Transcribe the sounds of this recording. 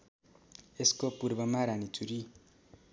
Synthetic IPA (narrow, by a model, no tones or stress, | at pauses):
eskopurbʌmaɾanit͡suɾi